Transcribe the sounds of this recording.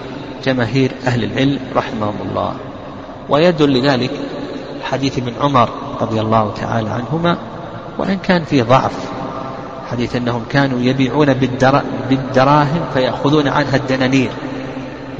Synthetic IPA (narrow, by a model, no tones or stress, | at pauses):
d͡ʒamaːɦiːɾʔahlɪlʕɪlmɾˤɑħɪmahʊmʊ̰lˤːɑ̰ː | wʔajad̪ʊlːɪðaːlɪk | lħad̪iːθʔɪbnʕʊmɑɾˤ | ɾˤɑ̰ðˤjalˤːɑːht̪ʰa̰ʕa̰ːla̰ʕa̰nɦʊma | wɪ̰ʔɪnkaːnfiːðˤɑʕf | ħad̪iːθʔanːahʊmkaːnujabiːʕuːnabɪbɪd̪ɑɾˤɑːɦɪmfajaʔxʊðuːnʕa̰nɦad̪ːanaːniːɾ